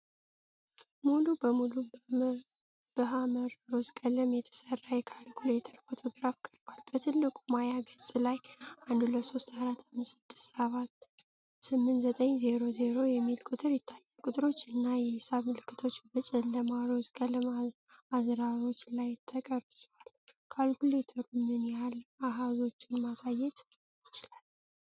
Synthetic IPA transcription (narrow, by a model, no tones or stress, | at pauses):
mulubəmulu | b̥əɦaməɾozkʼəlɨmjɛt̪ʰə̥sərːajɛkʰalkʰulet̪ʰəɾfo̞t̪ʰo̞ɡɾafkʰəlbalbət̪ʰɨlːɨkʼumajaɡəsʼlajʔand̪uləso̞st̪aɾat̪amːɨsɨd̪ːɨ̥st̪saβat̪ː | sɨmːɨnt̪ʼzət̪ʼəɲze̞ɾo̞ze̞ɾo̞jɛmːilkʼʊt̪ʰʼɨɾjɪt̪ʰːajːalkʼut̪ʼɨɾo̞t͡ʃːɨnːajɛhsaβmɨlɨkːɨt̪ʰo̞t͡ʃːbɨt͡ʃʼɨnləmaɾozkʼəlɨm | azɾaɾo̞t͡ʃːlajt̪ʰːəkʼəɾbsʼwal | kʰalkulet̪ʰəɾumɨnjalaɦazo̞t͡ʃːɪnmasajɛt̪ | jɪt͡ʃɪlal